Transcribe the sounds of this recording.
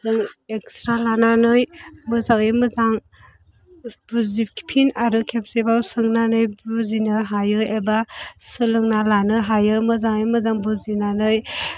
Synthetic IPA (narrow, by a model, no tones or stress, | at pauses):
zɯŋekstɾalananɯjmɯzaŋemɯzaŋ | buzip̚kʰi̥pʰinaɾɯkʰepsebawsɯŋnanɯjbuzinɯɦajɯebasɯlɯŋnalanɯɦajɯmɯzaŋemɯzaŋbɯzinanɯj